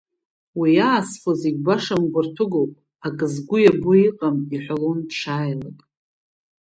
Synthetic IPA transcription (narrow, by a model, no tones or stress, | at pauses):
wijaːsfaziɡʲbaʂamɡʷʊrtʰʊɡowpʼ | akʼɨzɡʷʊjabʊiqʼamiħʷalonʈ͡ʂʰaːjlakʼ